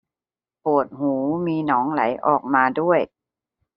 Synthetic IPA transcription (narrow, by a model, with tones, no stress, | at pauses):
pu˨˩ət̪̚huː˩˦miː˧nɔː˩˦ŋla̰˩˦jʔɔ̰ː˨˩k̚maː˧du˥˩əj